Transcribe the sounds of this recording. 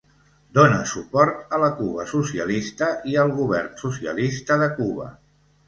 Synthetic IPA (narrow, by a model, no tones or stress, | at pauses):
d̪onə̰supɔɾt̪ələkuβə̰susiəlist̪əʔiəlˠɣ̞uβɛrnsusiə̰list̪əðəkuβə̰